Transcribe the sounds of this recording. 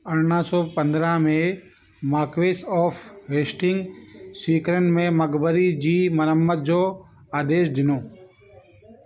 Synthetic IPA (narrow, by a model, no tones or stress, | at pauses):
əɽɳaːsɔːpə̃nd̪ɾãːmẽ | maːkʋeːsɔːfɦeːsʈɪŋɡsiːkɾənmẽməɡbəɾid͡ʑiːmənəmːət̪̚d͡ʒoː | aːd̪eːʃd̪ɪnoː